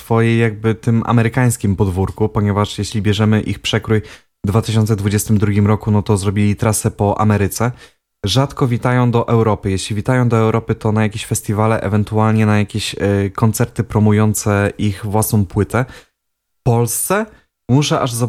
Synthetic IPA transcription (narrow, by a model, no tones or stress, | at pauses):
sfɔjɛjaɡ̚bɘt̪ɘma̰mɛɾɘkaj̃skʲimpɔd̪vuɾkupɔɲɛvaʂjɛɕlʲibʲjɛʐɛmɘʔixpʂɛkɾuj | d̪vat̪ɘɕ̬ɔnt̪sɛd̪vud͡ʑɛst̪ɘmd̪ɾuɡʲimɾɔkunɔt̪ɔzɾɔbʲilʲit̪ɾasɛpɔʔa̰mɛɾɘt̪sɛ | ʐat̪kɔvʲit̪ajɔ̃w̃d̪ɔʔɛwɾɔpɘjeɕlʲivʲit̪ajɔ̃w̃d̪ɔɛwɾɔpɘt̪ɔnajakʲeɕfɛst̪ʲivalɛʔɛ̰vɛnt̪ualɲɛnajakʲeɕkɔnt̪sɛɾt̪ɘpɾɔmujɔnt̪sɛʔixvwasnɔ̃w̃pwɘt̪ɛ | fpɔlst̪sɛ | muʂɛʔaʐza